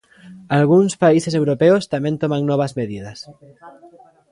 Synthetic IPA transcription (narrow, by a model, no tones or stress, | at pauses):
alɣ̞unspaisesewɾopeost̪amẽnt̪omaŋnɔβ̞azmeðiðas